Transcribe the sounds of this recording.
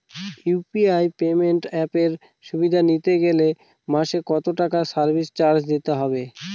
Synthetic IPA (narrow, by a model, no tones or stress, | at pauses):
jupiajpemeɳʈɛpeɾ | ʃubid̪ʱanit̪eɡele | maʃekɔt̪oʈakasaɾbʱist͡ɕaɾd͡ʑd̪it̪eɦɔbe